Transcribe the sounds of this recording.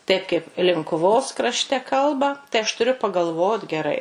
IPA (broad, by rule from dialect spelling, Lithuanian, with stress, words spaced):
tɐɪp kɐɪp lʲɪŋkʊˈʋoːs krɐʃʲˈtʲɛ ˈkɐlˠbɐ tɐɪ ɐʃ tʊˈrʲʊ pɐɡɐlˠˈʋoːt ɡʲɛˈrɐɪ